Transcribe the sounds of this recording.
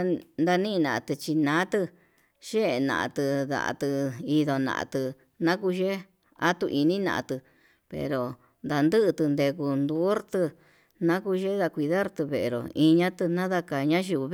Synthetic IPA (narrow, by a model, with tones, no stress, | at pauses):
nd̪a˧nĩ˦˧nã˨ʔa˧˨t̪ɨ˧t͡ʃi˧nã˨˦t̪ɨ˧ | ʃe˦e˧˨nã̰˨ʔa̰˧t̪ɨ˧ða̰˨ʔa̰˨t̪ɨ˧i˧ðo˧nã̰˧ʔa̰˧t̪ɨ˧ | nã˦ku˧ʒe˦ | a̰˦t̪u˧ʔi˧nĩ˦nã̰˧ʔã̰˧t̪ɨ˧ | pḛ˨ɾo˨ | nd̪a˧nd̪ɨ˦ʔt̪ɨ˧nd̪e˧ku˧nd̪u˦ɾt̪ɨ˧ | nã˦ku˧˦ʒe˦ða˧kʷi˧ða˦ɾt̪ɨ˧βe˧˨e˨ɾo̰˨ĩ˧ɲã˦t̪ɨ˧nã˦ða˧ka˧ɲã˦ʒi˧β